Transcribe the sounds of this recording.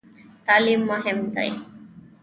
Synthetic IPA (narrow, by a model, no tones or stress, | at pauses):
t̪aːlimːʊɦɪmt̪a̰j